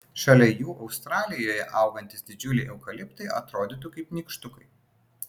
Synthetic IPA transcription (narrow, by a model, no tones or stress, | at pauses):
ʃɐlʲɛjuːʔɒʊst̪ɾɑːlʲɪjoːjɛʔɐˑʊɡɐnʲt̪ʲɪsd̪ʲɪd͡ʒʲʊlʲɪɛʊkɐlʲɪpt̪ɐɪʔɐ̰t̪ɾoːd̪ʲit̪̬ukɐɪpnʲiːkʃt̪ʊkɐɪ